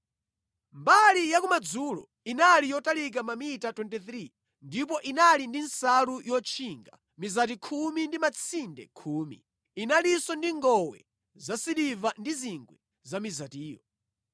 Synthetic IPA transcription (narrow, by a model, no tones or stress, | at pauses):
mbalijakumad͡zulɔ̰ | inalijɔtalik̬amamitatwɛntɛθɾi | ndip̬ɔʔinalindinsaɾujɔt͡ʃʰiŋɡa̰ | mizat̬ikʰumindimat͡sʰindɛ̰kʰuːmḭ | inalisɔndiŋɡɔwɛ̰ | zasiɗivandiziŋɡwɛ | zamizatiːjɔ̰